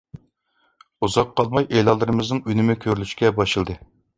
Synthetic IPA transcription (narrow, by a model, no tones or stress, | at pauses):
uzɑqʰːɑlˠmɑjʔelˠɑlˠːɨɾɨmɨznɨŋynɪmɪkʲʰøɾylyʃkʲɛbɑʃɨlˠd̪ɨ